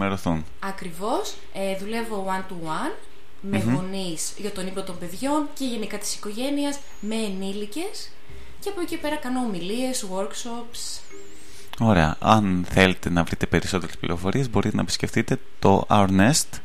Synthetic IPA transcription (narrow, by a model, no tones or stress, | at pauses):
meɾoθun | ɐkɾivo̞s | eðule̞vo̞ɐnt̪u | ɐn | mevo̞nisʝɐt̪o̞nipot̪o̞mbe̞ðʝo̞nce̞ʝe̞nikɐt̪i̥si̥ko̞ʝe̞niɐz | me̞ːnilice̞s | ceɐpocepe̞ɾɐkɐno̞ːmilie̞zwoɾksops | o̞ɾe̞ɐ̰ʔɐ̰nθe̞let̪e̞nɐvɾit̪e̞pe̞ɾiso̞t̪e̞ɾesplḭɾo̞fo̞ɾiezbo̞ɾit̪enɐepi̥sceft̪it̪e̞t̪o̞̰ʔɐ̰ɾnest̪